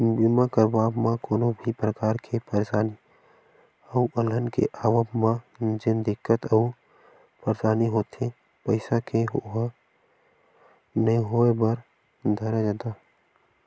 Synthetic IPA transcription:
bɪmakəɾbaːbmãkoːnõbʱipɾəkaːɾkʰepəɾsaːni | əuʔələnkḛʔaːʋəbmã | d͡ʒɪnd̪ɪkːət̪əu | pəɾsaːniɦoːt̪ẽ | pəɪsakeɦ | neĩɦoːebəɾ | d̪ʱəɾed͡ʒə̃t̪aː

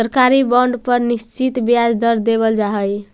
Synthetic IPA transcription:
əɾkaɾibəɳɖpəɾnist͡ʃit̪bjad͡ʒd̪əɾd̪eβəld͡ʒaɦəj

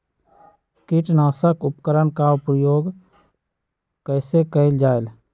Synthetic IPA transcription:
kiʈnaːsəkʊpkəɾənkaopɾəjoːɡ | kəɪsekəɪld͡ʒaːel

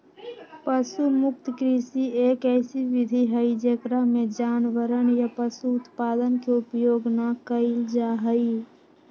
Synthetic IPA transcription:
pəsumʊk̚t̪kɾisieːkɛːsiʋɪd̪ʱiɦəid͡ʒekɾaɦmẽd͡ʒaːnʋəɾənjapəsuʊt̪paːd̪ənkeʊpjoːɡnakəɪld͡ʒaɦəi

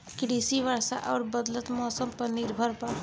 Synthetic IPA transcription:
kɾiːsiʋəɾsa̰ʔɔːɾbəd̪lət̪mɔːsəmpəɾnɪɾbʱəɾpa

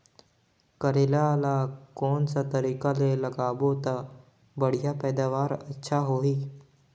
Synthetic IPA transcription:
kəɾeːlalakɔːnsat̪əɾiːkaleləɡaːbot̪a | bəɽ̤ijapɛːd̪aːʋaːɾɐtːʃʰaɦoɦiː

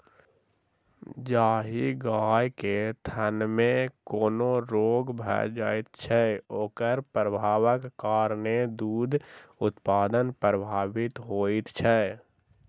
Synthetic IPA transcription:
d͡ʒaːɦiɡaːjket̪ʰənmẽkoːnoɾoːɡbʱɛ̰d͡ʒaːɪt̪t͡ʃʰɛoːkəɾpɾəbʱaːwəkːaːɾned̪uːd̪ʱʊt̪paːd̪ənpɾəbʱaːʋɪt̪ɦoːit̪t͡ʃʰɛ

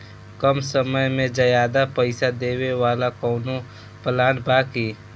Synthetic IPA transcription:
kəmsəməjmẽd͡ʒəjaːd̪apəɪsad̪eːwewaːlakɔːno | pəlaːɽbaːki

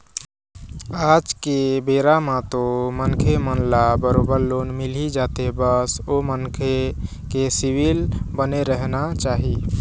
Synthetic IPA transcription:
ad͡ʒkebeɾamat̪omənkʰemənlabəɾobəɾlonmilid͡ʒat̪ebəsomənkʰe | kesiwilbəneɾəɦnat͡ʃaːɦi

